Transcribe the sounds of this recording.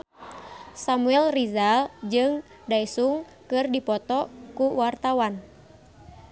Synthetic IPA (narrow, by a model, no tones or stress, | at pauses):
samuɛlrizald͡ʒɨŋ | daisuŋ | kɨrdipɔt̪ɔkuwart̪awan